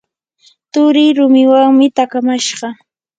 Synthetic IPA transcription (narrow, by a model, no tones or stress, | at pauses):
t̪ʊɾɪjɾʊmɪwaŋmɪt̪akamaʃɢɑ